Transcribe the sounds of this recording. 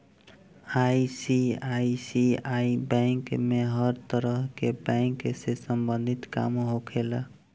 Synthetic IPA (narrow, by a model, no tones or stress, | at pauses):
aisiaisiaibɛ̃ŋkmeɦəɾt̪əɾəɦkebɛ̃ŋksesəmbənd̪ʱit̪ka̰mɦokʰelə